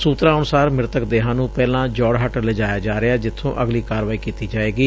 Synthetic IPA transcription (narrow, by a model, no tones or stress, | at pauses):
suːt̪ɾãːənʊsaːɾmɪɾt̪əkd̪eːɦãːnũːpɛːlãːd͡ʒɔːɽɦəʈələd͡ʒaːjaːd͡ʒaːɾɪaːd͡ʒɪt̪ʰːõ̰ːʔəɡliːkaːɾʋaːiːkiːt̪iːd͡ʒaːeːɡiː